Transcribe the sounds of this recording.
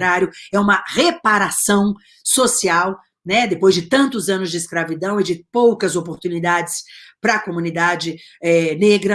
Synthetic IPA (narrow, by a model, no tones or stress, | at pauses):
ɾaɾjʊɛũmɐhepaɾasɐ̃w̃ | sosiaw | nɛd̪epojzd͡ʒɪt̪ɐ̃nt̪ʊzɐ̃nʊzd͡ʒɪːskɾavid̪ɐ̃w̃ɪd͡ʒɪpowkɐzopoɾt̪unid̪ad͡ʒɪspɾɐkomũnid̪ad͡ʒɪ | ɛneɡɾɐ